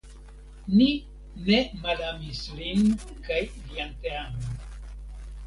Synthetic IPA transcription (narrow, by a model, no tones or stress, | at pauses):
ni | nemalamislin | kajlianteamon